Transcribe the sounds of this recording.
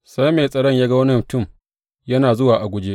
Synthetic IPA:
sa˦jmeː˨sʼɐ˨ɽɐ˦˨ɲjaː˦ɡɐ˦wɐ˦nɪ˦˨tʊ˦˨m | jɐ˦naː˨zʊ˦waː˨ʔa˨ɡʷʊ˦d͡ʒeː˦

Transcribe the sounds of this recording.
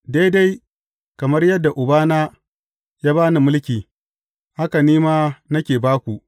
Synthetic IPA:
da˦jda˦j | kɐ˨mɐ˦rjɐ˦dːa˨ʔʊ˨baː˦naː˦ | jaː˦baː˦ni˨mʊ˦lkʲiː˨ | ha˦ka˨niː˦maː˦nɐ˦kʲeː˨baː˦kʷu˨ʔ

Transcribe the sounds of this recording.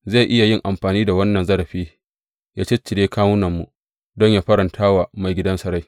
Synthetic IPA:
za˦˨ʔɪ˦ja˨jɪ˦˨ŋʔa˨mɸaː˨niː˦da˨wɐ˦nːɐ˨nzɐ˦ɾɐ˨ɸiː˦ | jaː˦t͡ʃe˦t͡ʃːɪ˨deː˦kʰaː˦wʊ˦nɐ˨mːṵ˨ | dɔ˦ɲjaː˦ɸɐ˦ɾɐ˨ntʰaː˦wa˨ma˨jɡʲɪ˦dɐ˦nsɐ˦ɾa˦j

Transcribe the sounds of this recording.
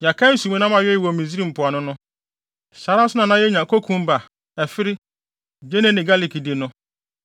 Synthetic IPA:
ɲa˨kʰã˦n̩˦sũ˨˦mɛ̃˦nã˦mã˨jɛ˦jwɔ˨mĩ˨zi˦ɾi˦m̩˨pʰʊ˨a˨nʊ̃˦nʊ̃˦ | ɕa˨˦ɾa˦sʊ˦nã˨nã˦jɛ˦ɲã˨kʰo˦kʰũ˦m˦ba˨ | ɛ˨fɪ˦ɾɪ˦ | d͡ʑe˦nɛ̃˦nɪ̃˨ɡa˦li˨kʰi˨di˨nʊ̃˦

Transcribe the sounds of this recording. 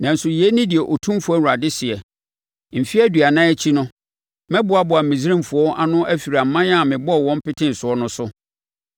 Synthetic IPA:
nã˨n̩˨sʊ˨jɛ˦nɪ̃˦dɪ˨ɛ˨ʔo˨tʰũ˦m˦fʊ˨˦æ˦wu˨ɾa˨dɪ˦sɪ˨ɛ˨ | m̩˨fi˦æ˦dɥa˨nãː˦ɛ˦t͡ɕʰi˦nʊ̃˦ | mɛ̃˦bʊ˨˦a˦bʊ˨a˨mĩ˨zi˦ɾĩ˦mfʊ˨ɔ˦ʔa˦nʊ̃˦ʔæ˦fi˨ɾa˨m̩˨˦mã˦ã˦˨mɪ̃˨bɔ˦ɔ˨wɔ̃˦m̩˦pɪ˦tʰɪ̃˦n̩˨sʊ˨ɔ˦nʊ̃˦sʊ˦

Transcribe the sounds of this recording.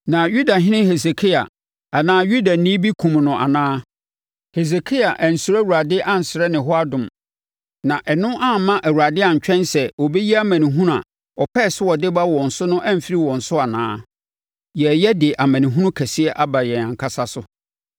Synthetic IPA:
nã˨ju˦da˨ɦɪ̃˦nɪ̃˦he˨se˨kʰi˦a̰˨ | a˨nãː˦ju˦da˨nĩ˦bi˦kʰũ˨mnʊ̃˨ʔa̰˨nãː˦ | he˨s̬e˨kʰi˦a˨ʔæ˨n̩˨su˨ɾæ˦wu˨ɾa˨dɪ˦ʔã˦n̩˨sɪ˨ɾɛ˦nɪ̃˨ɦɔ˦a˦dʊ̃˨m | nã˨ʔɛ˨nʊ̃˦ʔã˦˨mã˦ʔæ˨wu˨ɾa˨dɪ˦a˨ɲ˨t͡ɕᶣɛ̃˦nsɛ˨o˨be˦ji˦a˦mæ̃˨nĩ˨ɦũ˦ɾa̰˨ | ɔ˨pʰɛ˦˨sɪ˦wɔ˨dɪ˦ba˦wɔ̃˨n̩˨sʊ˦nʊ̃˦ʔæ̃˦m̩˨fi˦ɾi˦wɔ̃˨n̩˨sʊ˦a˨nã̰ː˦ | jɛ˨jɛ˦dɪ˨ʔa˨mæ̃˨nĩ˨ɦũ˦nʊ̃˦kʰɛ˨sɪ˦ɛ˦ʔa˦ba˨jɛ˨ã˨ŋkʰa˦sa˦sʊ˦

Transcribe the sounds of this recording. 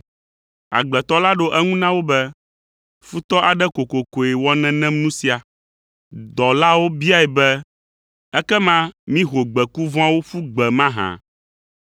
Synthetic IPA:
a̰˨ɡ͡blɛ˨t̪ɔ˦la˦ɖo˦ʔɛ˦ŋũ˦nã˦wo˦bɛ˦ | fu˦t̪ɔ˦ʔa˨ɖɛ˦ko˨ko˨ko˨ɛ˨wɔ˦nɛ̃˦nɛ̃˦mnũ˦si˦a˨ | d̪ɔ˨la˦wo˦bi˦a˦ɛ˨bɛ˦ | ɛ˦kɛ˦mã˦mĩ˦ɦo˨ɡ͡bɛ˨ku˦vɔ̃˦a˦wo˦fu˦ɡ͡bɛ˨mã˦ɦã̰˨

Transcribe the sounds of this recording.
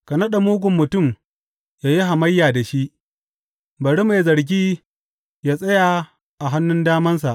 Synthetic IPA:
kɐ˨nɐ˦ɗa˨muː˦ɡʷʊ˨mːʊ˨tʊ˦˨m | jaː˦ji˦ɦa˨mɐ˦jːaː˨da˨ʃi˦ʔ | bɐ˨ɽi˦ma˨jzɐ˨ɽɡʲiː˦ | jaː˦sʼɐ˦jaː˨ | ʔa˨ɦa˦nːʊ˦ndaː˦mɐ˦ns̬a˨ʔ

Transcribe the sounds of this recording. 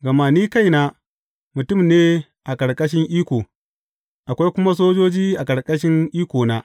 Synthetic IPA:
ɡɐ˨ma˨niː˦ka˦˨jnaː˦ | mʊ˨tʊ˦˨mneː˦ | ʔa˨kʼɐ˨ɽkʼɐ˦ʃ̬ɪ˦ŋʔiː˦kʷoː˨ | ʔa˨kʷa˦jkʷʊ˦ma˦s̬oː˦d͡ʒoː˦d͡ʒiː˦ʔa˨kʼɐ˨ɽkʼɐ˦ʃ̬ɪ˦ŋʔiː˦kʷoː˨naː˦

